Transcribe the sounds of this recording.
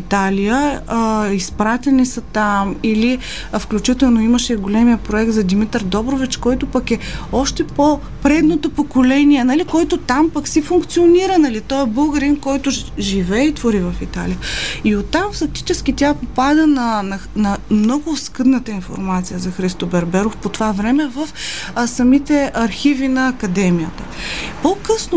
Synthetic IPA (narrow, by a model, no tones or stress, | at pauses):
it̪alijə | ispɾat̪ʲɛnisɐt̪amili | fklʲut͡ʃit̪ɛlˠnoiməʃɛɡolɛmijəpɾoɛk̚t̪zɐd̪imit̪əɾd̪ɔbɾovit͡ʃkɔjt̪ʊpɐkɛɔʃt̪ɛpo | pɾɛd̪not̪opokolɛniɛnɐlikoɛt̪ot̪ampɐksifʊŋkt̪sioniɾənɐlit̪ɔɛbɤɡəɾimkɔjt̪ʊʒivɛːit̪voɾivəfit̪a̰lijəiot̪ːamfɐk̚t̪i̥t͡ʃɛskʲit̪ʲjapopad̪ənɐnɐnɐmnɔɡʊskɤd̪nət̪əinfo̰ɾmat̪sijəzɐxɾist̪obɛɾbɛɾofpot̪ovavɾɛmɛvəfsɐmit̪ɛʔɐɾxivinɐːkɐd̪ɛmijət̪ə | pokɤsno